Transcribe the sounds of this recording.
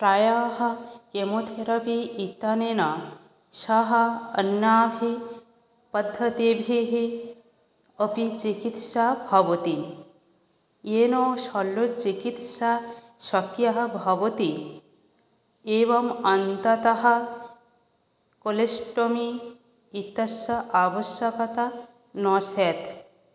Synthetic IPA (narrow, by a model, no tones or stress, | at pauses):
pɾajaɦɐ̆kemot̪ʰeɾɐpiit̪ɐnenɐ | ʃɐɦɐɐ̰nːaːbʱi | pɐd̪ʱːɐt̪ibʱiɦi | əpit͡ʃikit̪ʃabʱɐʋɐt̪i | enoʃɐlːot͡ʃikit̪ʃa | sɐkjɐɦɐ̆bʱɐʋɐt̪i | eʋɐmɐnt̪ɐt̪ɐɦɐ̆ | kolesʈomiː | t̪ɐsɐʔaːʋɐʃjɐkɐt̪ɐ | nɔːseːt̪